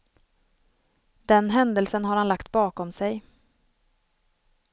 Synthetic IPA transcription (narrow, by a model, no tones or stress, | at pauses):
d̪ɛnɦɛnd̪əlsənɦaɾhanlakt̪bɑːkɔmsɛj